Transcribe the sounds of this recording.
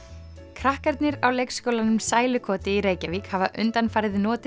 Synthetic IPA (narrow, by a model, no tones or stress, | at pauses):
kʰɾahkaɾt̪nɪɾawlejkskowlanʏmsaːjlʏkʰɔːt̪ɪiɾeːjcavikhavaʔʏnt̪anfaːjɾɪðɪnɔːt̪ɪ